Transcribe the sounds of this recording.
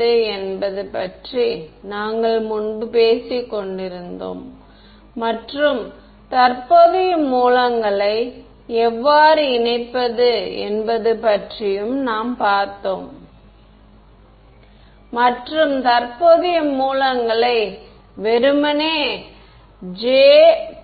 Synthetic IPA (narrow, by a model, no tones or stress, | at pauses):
ɯɛnbɐðɯpɐʈrinaːŋɡɐɭmʊɳbɯpeːsikːɔɳɖɪɾɯnd̪o̰ːmː | ɐʈrɯm | t̪ɐrpoðɪjɐmuːlɐŋɡɐɭɐɪ | ɛʋːaːɾɯɪnɐɪpːɐðɯɛ̰nbɐðɯpɐʈrɪjɯmnaːmpaːɾt̪ːoːm | mɐʈrɯmt̪ɐɾpoðɪjɐmuːlɐŋɡɐɭɐɪ | ʋɛɾɯmɐneː | d͡ʒeː